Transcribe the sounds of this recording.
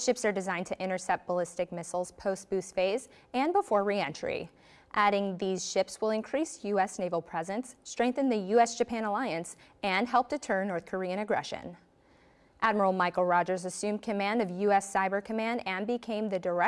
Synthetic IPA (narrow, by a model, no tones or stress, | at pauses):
ʃɪpsə˞dɨzãɪ̃ntʰɨʔɪ̃ɾ̃ə˞sɛp̚t̚b̥əlɪstɨk̚mɪsl̩ˠz̥pʰoʊst̚b̥ʉsfeɪz | ɨ̃nbəfɔɹɹiɛ̃nt͡ʃɹ̥ḭ | ʔæɾɪ̃ŋðiz̥ʃɪpswəlˠɨ̃nkʰɹ̥isjʉɛsneɪvl̩ˠpʰɹ̥ɛzɨ̃nstɹ̥ɛ̃ŋk̚θɨ̃nðɨjʉɛsd̥ʒ̥ɨpʰæ̃ñəlaɪɨ̃ns | ɨ̃nɦɛlˠp̚tʰɨtʰɜ̃˞nnːɔɹθkʰə˞iɨ̃ɾ̃ɨɡɹɛ̰ʃɨ̰̃n | ʔæd̚mə˞l̩ˠmaɪkl̩ˠɹɑd͡ʒə˞zɨsʉ̃m̚kʰɨmæ̃ndʌvjʉɛsaɪbə˞kʰɨmæ̃ndɨ̃nbɨkʰẽɪ̃mðɨdə˞ɛ